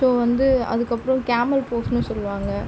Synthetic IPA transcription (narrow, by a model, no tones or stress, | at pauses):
soːʋɐnd̪ɯɐ̰ðɯkːɐpːɯɾɔ̃kaːmɐlpoːsnɯsɔlːʋaːŋɡɐ